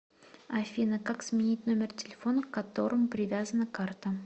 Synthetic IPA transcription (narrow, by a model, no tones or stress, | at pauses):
ɐfʲinəkaksmʲɪnʲit̚ʲno̞mʲɪrtʲɪlʲɪfo̞nəkkɐt̪o̞ɾəmʊpɾʲɪvʲazənəkart̪ə